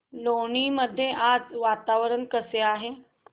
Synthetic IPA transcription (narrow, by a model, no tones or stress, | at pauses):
loɳ̃iməd̪ʱːjeʔad͡zʋat̪aʋəɾəɳkəseaɦe